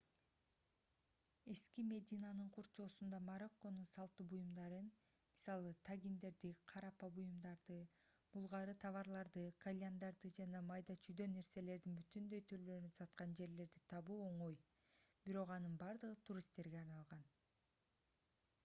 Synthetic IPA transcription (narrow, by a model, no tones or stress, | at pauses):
e̞skime̞d̪ʲinanɯɴqʰuɾt͡ʃo̞ːsund̪ɑmaɾo̞kːo̞nunsɑlˠt̪ubujumd̪ɑɾɯn | mi̥sɑlˠɯt̪ʰaɡʲind̪e̞ɾd̪iqʰɑɾɑpɑbujumd̪ɑɾd̪ɯ | mulˠʁɑɾɯt̪ʰɑvɑɾlˠɑɾd̪ɯkʰalʲand̪ɑɾd̪ɯd͡ʒɑnɑmɑjd̪ɑt͡ʃʰyd̪ø̞ne̞ɾse̞le̞ɾd̪inbyt̪ynd̪ø̞jt̪ʰyɾlø̞ɾynsɑt̪qɑnd͡ʒe̞ɾle̞ɾd̪it̪ʰɑβuːo̞ɴo̞j | b̥iɾo̞qɑnɯnbɑɾd̪ɯʁɯt̪ʰuɾʲist̪ːe̞ɾɡe̞ɑɾnɑlˠʁɑn